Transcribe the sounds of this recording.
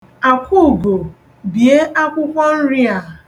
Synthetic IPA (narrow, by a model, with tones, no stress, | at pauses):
a˨kʷu˦˨ɡo˨ | bi˨e˦ʔa˦kʷʊ˦kʷɔ˦n̩˦ɾɪ˦a˨